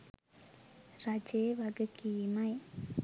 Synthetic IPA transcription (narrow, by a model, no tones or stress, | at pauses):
ɾad͡ʒeːʋaɡəkiːmaj